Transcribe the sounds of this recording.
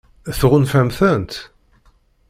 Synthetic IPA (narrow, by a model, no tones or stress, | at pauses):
θʁʊnfæmθænt̪